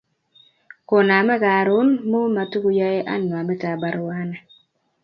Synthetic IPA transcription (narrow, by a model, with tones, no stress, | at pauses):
ko˨na˨mɛ˦ɡa˨ɾʊ˦nmo˦ma˨tu˦ɡu˦ja˦je˦ʔa̰˦nːwa˨mɛ˦ta˨ba˨ɾwa˦na˨